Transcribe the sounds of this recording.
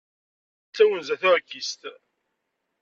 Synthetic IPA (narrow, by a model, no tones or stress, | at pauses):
t͡sːæwənzæθʊɾkːist̪